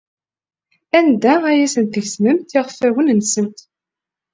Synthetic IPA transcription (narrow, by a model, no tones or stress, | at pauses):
ænd̪ææjæsənt̪əʝsməmt̪iʁfæwənnsəmt̪